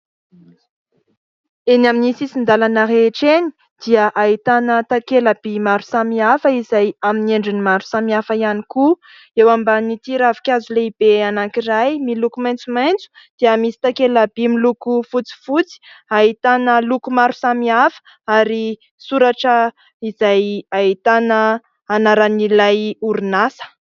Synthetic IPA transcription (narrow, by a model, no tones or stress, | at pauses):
enaminisisind̪alanəɦeʈ͡ʂeni̥ | d̪̥iəʔait̪anət̪akelab̥imaɾusamiafəizajamineɳɖ͡ʐinimaɾu̥samiafaianiku | ewambanit̪iɾavi̥kʲazuleib̥eanaŋkiɾajmilukumajnt͡sumajnt͡su̥d̪̥eamisi̥t̪akelabimilukufut͡si̥fut͡si̥aɦit̪anəlukumaɾu̥samiafə̥ | aɾi | suɾaʈ͡ʂə | izajait̪anəː | naɾanilajuɾunasə̥